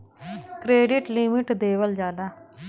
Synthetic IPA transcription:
kɾeːɖɪʈlimɪʈd̪eːʋəld͡ʒaːd̪aː

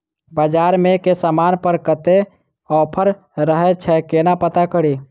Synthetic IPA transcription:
bəd͡ʒaɾmekesəmanpəɾkət̪e | ɔpʰəɾ | ɾəɦɛt͡ʃʰɛkenapət̪akəɽi

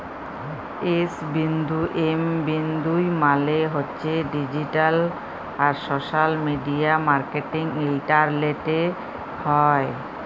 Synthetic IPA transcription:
esbind̪uʔembind̪ujmaleɦotːɕʰeɖid͡ʑiʈal | aɾsoʃalmiɖiamaɾkeʈiŋilʈaɾleʈe | hɔe

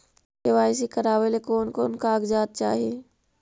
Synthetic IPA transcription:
eʋaːɪs̬ikəɾaːʋelekoːnkoːnkaːɡd͡ʒaːt̪̚t͡ʃaːɦieː

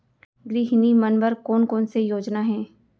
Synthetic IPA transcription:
ɾiːɦɪnimɐnbəɾkoːnkoːnsejoːd͡ʒnaɦɛ̃ː

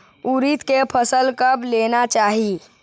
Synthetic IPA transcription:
uɾit̪kepʰəsəlkəbleːnat͡ʃaːɦi

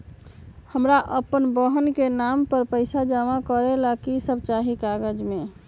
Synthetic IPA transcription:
həmɾaʔəpənbəɦənkenampəɾpəɪsad͡ʒamakəɾelakisəb̚t͡ʃaɦikaɡəd͡ʒmẽ

